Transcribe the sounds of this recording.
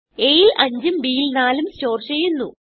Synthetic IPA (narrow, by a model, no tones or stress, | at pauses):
ejilɐɲd͡ʑɨmbiːjilnaːlumst͡ɕo̞ːrɕejunːu